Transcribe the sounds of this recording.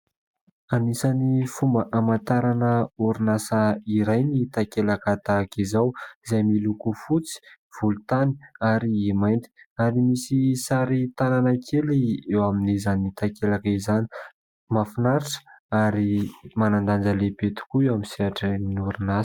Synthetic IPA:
anisanifumbəʔamant̪aɾanəuɾinasaiɾajnit̪akelakat̪akizawizajmilukufut͡si̥ | v̥ulut̪ani̥aɾiːmajnt̪i̥aɾimisisaɾit̪ananakʰeliewaminizanit̪akelakizani̥ | mafinaɾiʈ͡ʂə̥aɾimanand̪and͡ʒəlebet̪u̥kuewamiseaʈ͡ʂəninuɾinas

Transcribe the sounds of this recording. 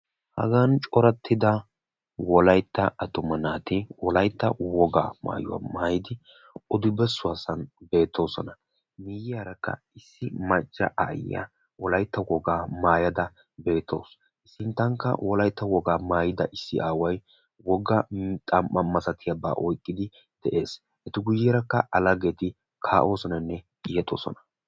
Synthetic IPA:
hɐ̰ɡant͡ʃʼɔɾɐt̪ʰːɪd̪ɐ | wɔlɐjt̪ːɐʔɐt̪ʊmɐnaːt̪ɪwɔlɐjt̪ːɐwɔɡa̰ːma̰ːjʊ̰wɐ̰maːjɪd̪ɪ | ɔd̪ʊbɛsːʊɐsɐnbe̞ːt̪ʰːo̞ːsɔnɐ | mɪjɪjaɾɐkːɐ̰ | ɪsːɪmɐt͡ʃʼːɐ̰ʔa̰jːɐ̰ | wɔlɐjt̪ːɐwɔɡaːmaːjɐd̪ɐ | be̞ːt̪ʰːo̞̰ːs | ʔɪsːɪnt̪ːɐŋkːɐ̰wɔlɐjt̪ːɐwɔɡaːmaːjɪd̪ɐʔɪsːɪ̰ʔaːwɐj | wɔɡːɐt̪ʼɐmʔɐmɐsɐt̪ɪjɐba̰ːʔɔjkʼːɪd̪ɪ | d̪̥ɛʔe̞ːs | ɛt̪ɪɡʊjːɛɾɐkːɐʔɐlɐɡet̪ɪ | kʰaːʔo̞ːsɔnɐnːɛkʼɪjɛt̪ʼo̞̰ːsɔ̰nɐ̥

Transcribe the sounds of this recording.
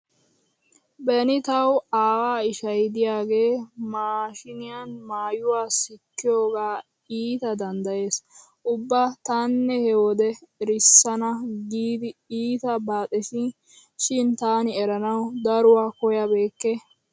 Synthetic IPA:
bɛnɪt̪ɐwaːwaːɪʃɐjd̪ɪjaːɡe̞ːmaːʃɪnɪjanmaːjʊwaːsɪkːɪjo̞ːɡaː | iːt̪ɐd̪ɐnd̪ɐje̞ːs | ʔʊbːat̪aːnːɛhɛwɔd̪ɛɾɪsːɐnɐɡiːd̪ɪiːt̪ɐbaːt̪ʼɛsɪ | ʃɪnt̪aːnɪɛɾɐnɐwd̪ɐɾʊwaːkɔjɐbe̞ːkːɛ

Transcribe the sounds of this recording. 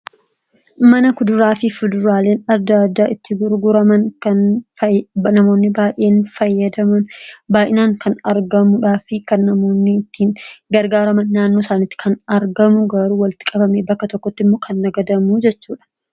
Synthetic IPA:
mɐnɐkʊd̪ʊɾaːfɪfʊd̪ʊɾaːle̞ːnɐd̪ad̪ːaːʔɪt̪ːɪɡʊɾɡʊɾɐmɐnkɐn | nɐmo̞ːnːɪbaːjʔʔeːnfɐjːɐd̪ɐmɐnbaːjʔɪnaːŋkʰɐnɐɾɡɐmʊᶑaːfɪkɐnːɐmoːnːɪt̪ːiːnɡɐɾɡaːɾɐmɐnːaːnːo̞ːsaːnɪt̪ːɪ̥kʰɐnɐɾɡɐmʊɡɐɾuːwɐlt̪ɪ̥kʼɐbɐmeːbɐkːɐt̪ɔkːɔt̪ːɪmːokʰɐnːɐɡɐd̪ɐmuːd͡ʒɛt͡ʃːuːᶑɐ̥

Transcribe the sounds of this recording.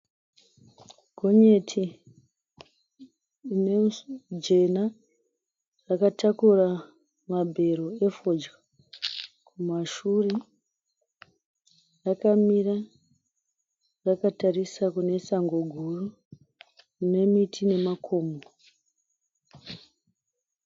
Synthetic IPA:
ɡʱo̞ɲe̞tʰi | ne̞d͡ʒe̞na | rakatʰakura | mabʱe̞ɾo̞efod͡ʒɡa | kʰumaʃure | rakamira | rakatarisakune̞saŋɡo̞ɡʱuru | rune̞mitʰine̞makʰo̞ːmo

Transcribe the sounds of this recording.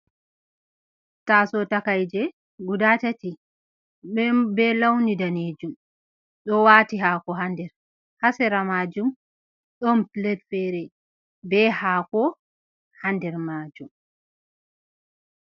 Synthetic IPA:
tasɔtakajd͡ʒɛ | ɡudatati | bɛlawnidaned͡ʒum | ɗɔwaːtiɦaːkɔɦandɛɾ | hasɛɾamaːd͡ʒum | ɗɔmtlɛtfɛɾɛ | bɛhakɔ | handɛɾmaːd͡ʒum

